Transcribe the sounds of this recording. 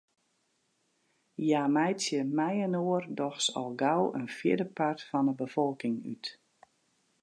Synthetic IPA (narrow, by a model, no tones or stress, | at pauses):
jaːmɛjt͡sjəmɛjənoərdɔxsɔ̰lˠɡawə̰nfjɪ̰ədəpartfɔnəbəfɔlˠkɪŋy̰t